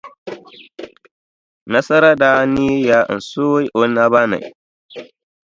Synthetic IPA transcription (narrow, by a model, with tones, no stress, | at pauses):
na˦sɐ˦ɾa˦da˨˦ni˦ja˨˦ʔɪ̰˨nsu˦wjʔo˨˦na˦ba˦na̰˨j